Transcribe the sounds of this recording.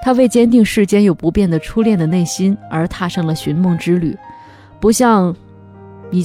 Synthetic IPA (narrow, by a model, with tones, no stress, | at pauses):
t̪ʰa˥we˥˩ɪt͡ɕjɛ˥nt̪i˥˧ŋʂɻ̩˥˧t͡ɕjɛ˥njo˨˩ʊpu˧˥pjɛ˥˩nd̪ə˩ʈ͡ʂʰu˥ljɛ˥˩nd̪ə˩ne˥˩ɪɕi˥nə˞˧˥t̪ʰa˥˧ʂɤ˥˩ŋlə˩ɕy˧˥nmʊ˥˧ŋʈ͡ʂɻ̩˥ly̰˨˩˦ | pu˧˥ɕjɑ˥˧ŋ | i˨˩